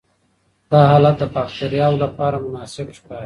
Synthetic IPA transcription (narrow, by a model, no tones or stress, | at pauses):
d̪̥ɑɦɑlat̪̚d̪əpɑxt̪aɾjɑwlapɑɾamʊnɑsɪbʃkɑi